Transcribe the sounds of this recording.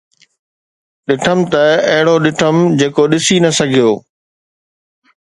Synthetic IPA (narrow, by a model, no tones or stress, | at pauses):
ɗɪʈʰəmt̪ɐɐɦɪɽoɗɪʈʰəmd͡ʑeːkoɗɪsinɐsɐɡʱijoː